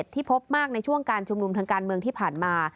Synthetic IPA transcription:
t̪ʰːiː˥˩pʰo˦˥p̚maː˥˩k̚na˧jt͡ɕʰu˥˩əŋkaː˧nt͡ɕʰu˧mnu˧mt̪ʰaː˧ŋkaː˧nmɯ˧əŋt̪ʰiː˥˩pʰaː˨˩nmaː˧

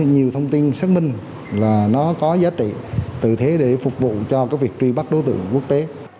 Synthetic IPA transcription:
ɲi˨˩əwt̪ʰə˧wŋ͡mt̪i˧nsaː˦˥k̚mï˧ŋ̟ | laː˨˩nɔ˨˦kɔ˨˦zaː˨˦t͡ɕḭ˧˨t̪ɨ̰˧˨t̪ʰe˨˦ɗe˧˩fʊ˨˩k͡p̚vṵ˧˨t͡ɕɔ˧kaː˨˦k̚vi˨˩ək̚t͡ɕwi˧ɓa˦˥k̚ɗo˨˦t̪ɨ̰˧˨əŋku˦˥ək̚t̪e˨˦

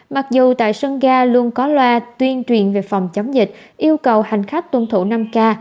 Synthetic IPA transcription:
ma˨˩k̚zu˨˩t̪a̰ː˧˨jsə˧ŋɣaː˧lu˧ənkɔ˨˦lwaː˧t̪wi˧ənt͡ɕwḭ˨˩ənve˨˩fa˨˩wŋ͡mt͡ɕə˨˦wŋ͡mzï˨˩k̟̚ | ʔi˧əwkə˨˩wha˨˩jŋ̟xa˦˥k̟̚t̪wə˧nt̪ʰṵ˧˩˨na˧mkaː˧

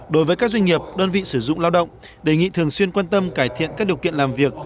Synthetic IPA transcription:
ɗo˨˦jvəː˨˦jkaː˦˥k̚zwa˧jŋ̟ŋi˨˩əp̚ɗəː˧nvḭ˧˨sɨ˧˩zʊ̰˧˨ŋ͡mla˧wɗə̰˧˨wŋ͡m | ɗe˧˩ŋḭ˧˨t̪ʰɨ˨˩əŋswi˧ənkwaː˧nt̪ə˧mkaː˧˩jt̪ʰḭ˧˨ənkaː˦˥ɗi˨˩əwkḭ˧˨ənlaː˨˩mvi˨˩ək̚

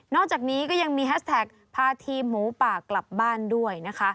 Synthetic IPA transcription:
nɔː˥˩k̚t͡ɕaː˨˩k̚niː˦˥kɔː˥˩ja˧ŋmiː˧he˦˥st̪ʰɛː˨˩k̚ | pʰaː˧t̪ʰiː˧muː˩˦paː˨˩kla˨˩p̚baː˥˩ndu˥˩əjna˦˥kʰa˦˥ʔ

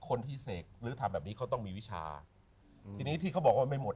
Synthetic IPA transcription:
kʰo˧nt̪ʰiː˥˩se˨˩k̚ɾɯː˦˥t̪ʰa˧mbɛː˨˩p̚niː˦˥kʰa˦˥wt̪̬ɔ˥˩ŋmiː˧wi˦˥t͡ɕʰa̰ː˧ | t̪ʰiː˧niː˦˥t̪ʰiː˥˩ka˦˥wbɔː˨˩k̚waː˧˩ma˥˩jmo˨˩t̪̚

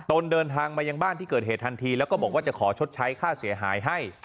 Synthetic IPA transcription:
t̪o˧ndɤː˧nt̪ʰaː˧ŋmaː˧ja˧ŋbaː˥˩nt̪ʰiː˥˩kɤː˨˩t̪̚ɦeː˨˩t̪̚ʰa˧nt̪ʰiː˧lɛ˦˥wkɔː˥˩bɔː˨˩k̚waː˥˩t͡ɕa˨˩kʰɔː˩˦t͡ɕʰo˦˥t̪̚t͡ɕʰa˦˥jkʰaː˥˩si˨˩˦ɐɦaː˩˦jɦa˥˩j

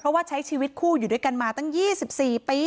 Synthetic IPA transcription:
pʰɾɔ˦˥waː˥˩t͡ɕʰa˦˥jt͡ɕʰiː˧wi˦˥t̪̚kʰuː˥˩juː˨˩du˥˩jka˧nmaː˧t̪a˥˩ŋjiː˥˩si˨˩p̚siː˨˩piː˧

